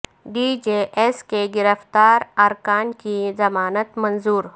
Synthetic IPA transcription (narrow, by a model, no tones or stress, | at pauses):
ɖid͡ʒeʔeskeɡɪɾəft̪aːɾɐɾkaːnkizɐmaːnət̪mɐnzuːɾ